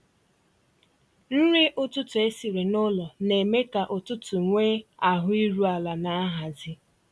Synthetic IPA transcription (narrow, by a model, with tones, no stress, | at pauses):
n̩˦ɾi˦ʔʊ˦tʊ˦tʊ˨e˦si˨ɾe˨nʊ˦lɔ˨ne˨me˦ka˨ʔʊ˨tʊ˦tʊ˨ŋʷe˦a˨ɦʊ˦i˦ɾu˦a˨la˨na˦a˦ɦa˨zɪ˦